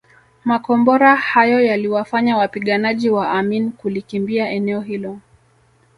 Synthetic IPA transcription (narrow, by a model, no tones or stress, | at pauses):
makɔmbɔɾahajɔjaliwafaɲawapiɠanaʄiwaʔaminkulikimbiaʔɛnɛɔɦilɔ